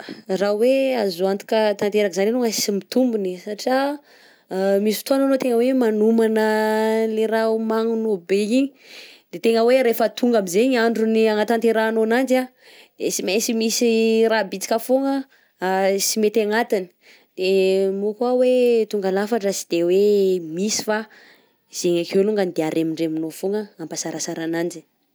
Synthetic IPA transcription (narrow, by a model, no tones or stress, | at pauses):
raweazuant̪u̥kət̪ant̪eɾakzananoŋasimit̪umbunisaʈ͡ʂa | misift̪oananot̪eŋəwemanumanəleɾaumaŋunobeiɲi̥ | d̪̥et̪eŋəweɾefət̪uŋɡamizeɲaɳɖ͡ʐuniaŋat̪ant̪eɾaːnonand͡ʒa | d̪̥esimesimisirabit͡si̥kʲəfoŋə | simet̪aŋat̪ini̥ | d̪̥emukuawet̪uŋɡalafaʈ͡ʂəsi̥d̪̥ewemisi̥fa | z̥eɲakeluŋɡanid̪eaɾʔemiɳɖ͡ʐeminofoŋəampasaɾasaɾanand͡ʒi